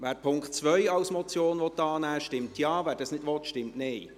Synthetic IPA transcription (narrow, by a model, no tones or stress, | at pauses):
væːɾpʰʊŋkχtt͡sʋœjɑlsmɔt͡sjoːnʋɔt̪ːɑːnæːʃtɪmtjɑːvæːɾdɑsnɪdʋɔtʃtɪmtneɪ